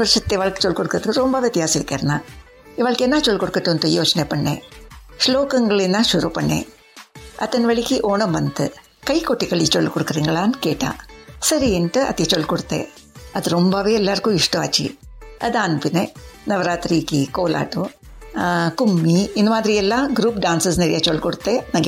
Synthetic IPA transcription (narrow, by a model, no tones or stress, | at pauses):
ʋɐɾʂɐt̪ːeiʋaːɭkːɨ̥t͡ʃɔɭːkɔɽukːɾɐðɨkːɾombaːʋet̪jaːsɐmiɾkːeːɾɐnaː | iʋaːɭkːɛnːaːt͡ʃɔlkɔɽukːɐʈːunt̪ɐjoːt͡ʃɐneːpɐɳːḛːʂloːkɐŋɡɐɭenːãːʃuɾuːpɐɳːḛː | ɐt̪ɐnʋɐɭikːiʔoːɳɐmʋɐnd̪ɨ | kɐjkoʈːiɣɐɭit͡ʃɔɭːkɔɽukːɐriːŋɡɐɭaːnkeːʈːa̰ːsɐɾiinʈɨɐ̰t̪it͡ʃoɭːkoɽut̪ːḛ | ɐd̪ɾumbaʋeɛlːaːɾkuːiʂʈuaːt͡ʃḭɐ̰d̪aːnpinenɐʋɐɾaːt̪ɾiːkikoːla̰ːʈu | kumːiind̪umaːd̪ɾijɛlːɐɡɾuːpɖaːnsɐsneɾijat͡ʃoɭkoɽut̪ːenɐŋɡ